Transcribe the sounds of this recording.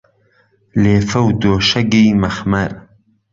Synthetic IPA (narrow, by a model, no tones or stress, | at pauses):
leːfɐwd̪oːʃɐɡiːmɐxmɐɾ